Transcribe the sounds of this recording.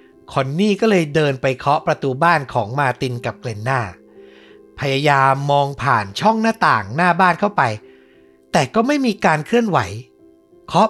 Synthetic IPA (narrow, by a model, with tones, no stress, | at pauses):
kʰo˧nːiː˥˩kɔː˥˩lɤː˧jdɤː˧npa˧jkʰɔ˦˥ʔpɾa˧t̪uː˧baː˥˩nkʰɔː˩˦ŋmaː˧t̪i˧nka˨˩p̚kle˧nːaː˥˩ | pʰa˧jaː˧jaː˧mːɔː˧ŋpʰa̰ː˨˩nt͡ɕʰɔ˥˩ŋnaː˥˩t̪aː˨˩ŋnaː˥˩baː˥˩nkʰa˥˩wpa˧j | t̪ɛː˨˩kɔː˥˩ma˥˩jmiː˧kaː˧nkʰɯ˥˩ənwa˩˦j | kʰɔ˦˥